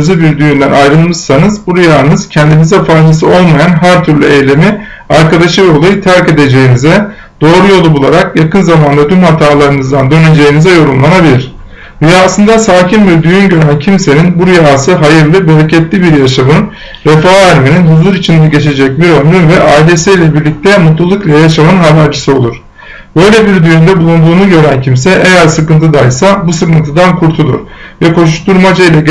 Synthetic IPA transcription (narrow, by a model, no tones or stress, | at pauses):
zɯbiɾd̪yjynd̪ænʔajɾɯlˠmɯʃsanɯzbuɾijaːnɯz̥cʰɛnd̪inizɛfajzasɯo̞lˠmajanɦæɾt̪ʰyɾlʲy̰ejlʲe̞mi | aɾkad̪aʃɯjo̞lˠajɯt̪ʰæɾce̞d̪e̞d͡ʒe̞jinizɛ | d̪̥o̞ːɾujo̞lˠubulˠaɾakjakʰɯnzamand̪ad̪ynhat̪ʰaːlˠaɾɯnɯzd̪and̪ø̞ne̞d͡ʒe̞jinizɛjo̞ɾumlˠanabilʲiɾ̥ | ɾyjaːsɯnd̪asaːcʰimbiɾd̪yjynɟø̞ɾæncʰimse̞ninbuɾyjaːsɯɦajɯɾlˠɯbe̞ɾecʰɛt̪lʲibiɾjaʃamɯn | ɾefaːæɾmininɦuzuɾit͡ʃʰind̪ɛɟe̞t͡ʃʰe̞d͡ʒɛc̚biɾømɾynvɛʔaːilʲe̞sɛjlʲɛbiɾlʲic̚t̪ʰɛmut̪lˠulˠuklˠajaʃamɯnɦabæɾd͡ʒɯsɯo̞lˠuɾ̥ | b̥ø̞jlʲɛbiɾd̪yjynd̪ɛbulˠund̪uːnuɟø̞ɾæncʰimsɛʔejæɾsɯkɯnt̪ʰɯd̪ajsabusɯkɯnt̪ʰɯd̪ankʰuɾt̪ʰulˠṵɾvɛkʰo̞ʃuʃt̪uɾmad͡ʒajilʲɛ